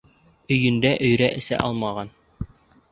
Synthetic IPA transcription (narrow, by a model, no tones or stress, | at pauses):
ɵ̆jɘ̆nd̪æʔɵ̆jɾæʔɘ̆sæ̰ʔɑlˠmɑʁɑn